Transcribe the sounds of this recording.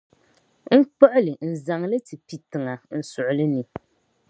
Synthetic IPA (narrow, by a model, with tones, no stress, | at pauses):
ŋ̩˦k͡pɔ˦ʔʊ˦lɨ˨n̩˨za˨ŋlɨ˦ti˨pi˨tɨ˨ŋa˨n̩˨sʊ˨ʔʊ˨lɨ˦nɨ˨